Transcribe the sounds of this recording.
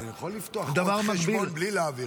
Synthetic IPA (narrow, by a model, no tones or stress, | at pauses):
nijaχolːift̪oad̪avaʁmɐkbilnblileavi